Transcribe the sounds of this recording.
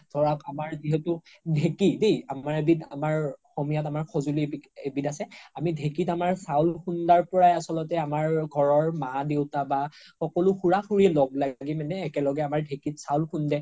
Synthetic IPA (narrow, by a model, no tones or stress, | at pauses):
dʰʱɔɹakamaɹziɦɛtudʱekidejamaɹebita̰maɹxomijatamaɹkʰɔzuliiebitasɛamidʱekitamaɹsawlxundaɹpɔɹajasɔlɔtɛamaɹɡʱɔɹɔɹmadewtabaxɔkɔlʊxuɹaxuɹiɛlɔɡlaɡimɛnɛːkɛlɔɡɛamaɹdʱekitsawlkʰundɛ